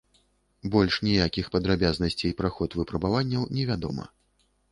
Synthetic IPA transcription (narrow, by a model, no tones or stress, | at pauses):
bɔlʲʂnʲijakʲixpɐd̪ɾabʲaznɐsʲt͡sʲejpɾaxɔt̪vɨpɾɐbavanʲːɐwnʲɛvʲad̪ɔ̰mɐ̰